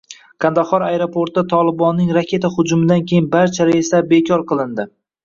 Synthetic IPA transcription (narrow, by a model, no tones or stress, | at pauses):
kʰand̪aχɒɾajɾopʰoɾt̪at̪ʰɒlˠɪbɒnːɪŋɾakʲe̞t̪ʰahʊd͡ʒʊmɪd̪ankʲʰe̞jɪnbaɾt͡ʃʰaɾaɪst̪abe̞kʲʰɒɾqʰɨlˠɪnd̪ɪ